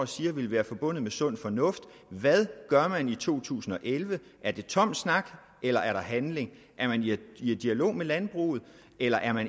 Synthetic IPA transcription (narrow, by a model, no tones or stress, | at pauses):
siːɐʋe̝lʋæːɐfɒ̽b̥ɔ̽n̰ð̞̩ˠmesɔ̽n̰fɒ̽nɔ̽fd̥ | ʋæðˠɡ̥ɶɐmænit͡sʰo̝̰ːt͡sʰṵːsn̩ɒ̽ʔelʋə | ʔæɐd̥e̝t͡sʰɒ̽m̰snɑ̈ɡ̥ | elɐʔæɐɾ̥ɑ̈ɦænle̝ŋ | ʔæɐmæniied̥iælo̝̰ːmelænb̥ʁṵːð̞̩ˠ | ʔelɐʔæɐmæn